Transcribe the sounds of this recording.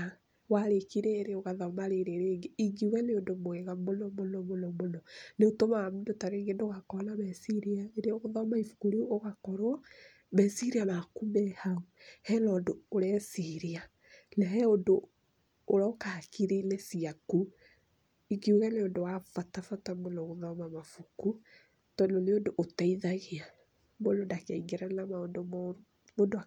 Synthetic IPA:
a | waɾekiɾeːɾeoɣaðɔmaɾeɾeɾeːŋɡeiɡiuɣɛneondomwɛɣamonɔmonɔmonɔmonɔneotomaamundotaɾeŋɡendoɣakɔnamɛsiɾiaeɾeɔoɣoðɔmaifu̥koɾioɣakɔɾwɔ | mɛsiɾiamakumɛhauhɛlɔndoːɾɛsiɾia | lɛɦɛondoː | ɾaokahakiɾelɛsiaku | ikiuɣɛneondowafatafatameloɣoðɔmamafuku | tɔndoneondoʔotaiðaɣia | mwolondakaiŋɡeɾanamaondom | moːndoa

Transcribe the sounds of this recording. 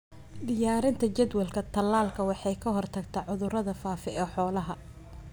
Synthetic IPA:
d̪ɪjaːɾɪnt̪ʰɐt͡ʃɐd̪wɐlkʰɐt̪ʰɐlːaːlkʰɐwɑħɑjkʰɐɦɔrt̪ʰɐɡt̪ʰɐʕʊðʊɾɐðɐfaːfɛɛːħɔːlɐɦɐ

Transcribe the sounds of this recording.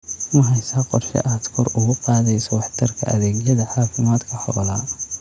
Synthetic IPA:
mʊɦɛjsaːqɔrʃɛ̰ʔaːd̪kʰɔɾʊɣʊqɑːðɛjsɔwɑħt̪ʰɐrkʰɐ̰ʔɐ̰ðɛːɡjɐðɐħɑːfɪmaːd̪kʰɐħɔ̰laː

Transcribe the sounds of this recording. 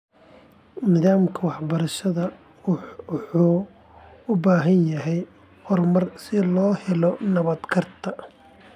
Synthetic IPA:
mɪðaːmkʰɐwɑħbɐɾɐʃɐðɐ | ħuː | ʊbaːɦɐnjɐɦɛj | hɔrmɐrsɪlɔːhɛlɔnɐβɐd̪kʰɐrt̪ʰɐ

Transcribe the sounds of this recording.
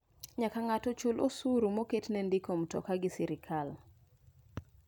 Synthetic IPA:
ɲakaŋatɔt͡ʃulʔosuɾumoketnɛndɪkomtɔ̰kaɡɪsiɾɪkʰal

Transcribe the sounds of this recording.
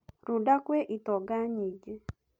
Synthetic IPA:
ɾudakweʔitɔɡaɲid͡ʒe

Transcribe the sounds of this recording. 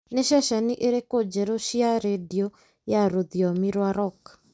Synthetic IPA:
neʃɛʃɛniʔeɾekod͡ʒɛɾoʃiaɾediɔ | jaɾoðjɔmiɾwaɾɔk

